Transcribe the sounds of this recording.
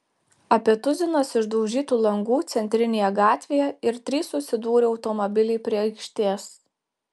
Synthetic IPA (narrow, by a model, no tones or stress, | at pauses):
ɐpʲiɛt̪ʊzʲɪnoːsɪʒd̪ɔʊʒʲiːt̪uːlˠɐŋɡuːt̪sʲɛnʲt̪ʲɾʲɪnʲeːjɛɡɑːt̪ʲʋʲeːjɛɪɾt̪ʲɾʲiːsʊsʲɪd̪uːɾʲɪɒʊt̪ɔmɔbʲɪlʲɛɪpʲɾʲiɛɐɪkʃʲt̪ʲeːs